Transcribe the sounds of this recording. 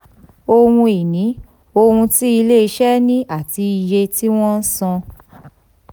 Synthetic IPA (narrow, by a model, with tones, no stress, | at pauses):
o˧wũ˧i˨nĩ˨˦ | o˧hũ˧ti˦i˧le˦i˧ʃɛ˦nĩ˦a˦˨ti˧i˧je˧ti˦w̃ɔ̃˦n̩˦sɔ̃˧